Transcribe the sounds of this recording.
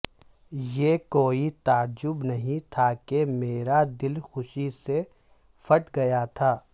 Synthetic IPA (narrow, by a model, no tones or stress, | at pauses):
jeːkoːit̪aːd͡ʒʊbnɐɦĩt̪ʰakemeːɾad̪ɪlxʊʃise | fʰɐʈɡɐjat̪ʰaː